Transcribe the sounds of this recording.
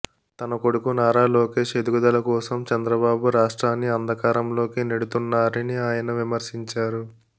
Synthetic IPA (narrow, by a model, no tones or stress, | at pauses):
t̪ɐnɐko̞ɽukunaːɾaːlo̞ːke̞ːʂe̞d̪uɡud̪ɐlɐkɔːsɐmt͡ʃɐnd̪ɾɐbaːbuɾaːʂʈɾaːnːiɐnd̪ʱɐkaːɾɐmlo̞ːkineɽut̪unːaːɾiniaːjɐnɐʋimɐɾsiɲt͡ʃaːɾu